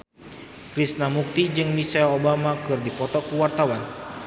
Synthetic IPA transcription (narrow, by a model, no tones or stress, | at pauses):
kɾisnamuk̚t̪id͡ʒɨŋmisalobamakɨrdipɔt̪ɔkuwart̪awan